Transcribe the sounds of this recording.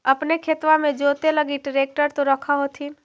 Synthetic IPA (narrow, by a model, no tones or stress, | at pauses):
əpnekʰeːt̪ʋãmẽd͡ʒoːt̪eləɡiʈɾeːk̚ʈəɾt̪oɾɐkʰaɦoːt̪ʰiːn